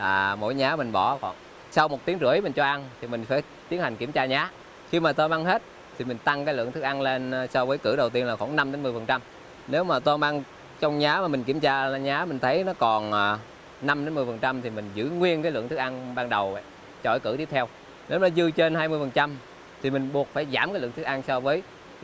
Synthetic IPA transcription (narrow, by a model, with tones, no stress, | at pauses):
ʔaː˨˩mo̰˧˥jɲaː˨˦mï˨˩ŋ̟ɓɔ˧˩xɔ̰˧˩n | sa˧wmo˨˩t̪i˨˦əŋzɨ̰˧˩ə˨jmï˨˩ŋ̟t͡ɕɔ˧ʔa˧nt̪ʰi˨˩mï̟˨˩faː˧˩˦j | t̪i˨˦ənha˨˩jŋ̟ki˧˩əmt͡ɕaː˧ɲaː˨˦ | xi˧maː˨˩t̪o˧maː˧ŋɦe˦˥t̚ | t̪ʰi˨˩mï˨˩ŋ̟t̪a˧ŋkaː˨˦jlɨ̰˧˨ət̪ɨ˦˥k̚ʔa˧nle˧n˨sɔ˧vəː˨˦jkɨ˧˩ɗə˨˩wt̪i˧ənla˨˩xwa˧˩na˧mɗe˨˦nmɨ˨˩əfə˨˩nt͡ɕa˧m | ne˨˦wmaː˨˩t̪o˧maː˧ŋ | t͡ɕɔ˧wŋ͡mɲaː˨˦maː˨˩mi˨˩ŋ̟ki˧˩əmt͡ɕaː˧˨ɲaː˨˦mï˨˩ŋ̟t̪ʰə˨˦jnɔ˨˦kɔ˨˩nʔaː˨˩ | na˧mɗe˨˦nmɨ˨˩əjfə˨˩nt͡ɕa˧mt̪ʰi˨˩mï˨˩ŋ̟zɨ̰˧˥ŋwi˧ənkaː˨˦jlɨ̰˧˨əŋt̪ɨ˦˥k̚ʔa˧nɓaː˧ŋɗə˨˩w | t͡ɕɔ̰˧˩˨jkɨ̰˧˩t̪i˦˥p̚t̪ʰw | ne˨˦wnɔ˨˦zɨ˧t͡ɕe˧nɦaː˧jmɨ˧jfə˨˩nt͡ɕa˧m | t̪ʰi˨˩mï˨˩ŋ̟ɓu˨˩ət̚faː˧˩jzaː˧˩mkaː˨˦lɨ˧˨ŋt̪ʰk̚ʔ̚a˧nsɔ˧vəː˨˦j